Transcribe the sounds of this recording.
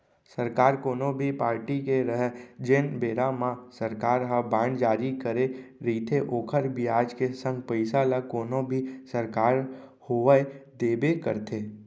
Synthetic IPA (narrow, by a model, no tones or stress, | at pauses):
səɾkaːɾkoːnõbʱipaːɾʈikeɾəɦd͡ʒenbeːɾamãsəɾkaːɾɦəbãːɳɖd͡ʒaːɾikəɾeɾiːt̪ʰeʔoːkʰəɾbʱiaːd͡ʒkesə̃ŋɡpəɪsalakoːnõbʱisəɾkaːɾhoːʋəed̪eːbekə̰ɾt̪ʰeː